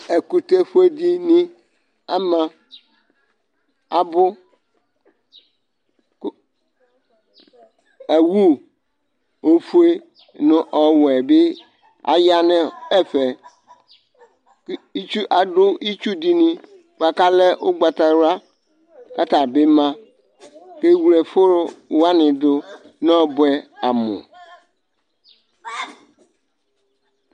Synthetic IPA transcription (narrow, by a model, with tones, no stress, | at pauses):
e˨ku˨t̪e˦ɸu˦e˦d̪i˦nĩ˦ | a̰˦mã˦ | a˨bʊ˦ | e˨wu˦ | o˦fu˦e˦ | nʊ̃˦ʔɔ˨wɛ˨be˦ | a̰˨ja˦nɛ̃˦ɛ˦ɸɛ˨˦ | i˦t͡ʃu˦ʔa˨ɖʊ˦i˦t͡ʃu˦di˦nĩ˦ | k͡pa˨ka˦lɛ˦ʔo˦ɡ͡ba˨t̪a˨wa˦ | ka˦t̪a˨be˦mã˦ | ke˦wu˨˦lɛ˨fo˦ɾo˦wo˦a˦nɪ̃˨dʊ˦ | nɔ̃˦ɔ˦bɛ˦a˨mõ̰˨